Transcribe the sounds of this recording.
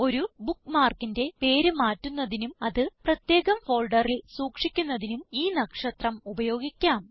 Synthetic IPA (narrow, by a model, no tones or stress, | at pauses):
o̞ɾubukːmaːrkinde̞pe̞ːɾumaːtːunːɐðinumɐðɨprɐt̪je̞ːɣɐmfo̞ːɭɖɐrilsuːkʂikʲːunːɐðinumiːnɐkʂɐt̪rɐmubɐjo̞ːɡikʲːaːm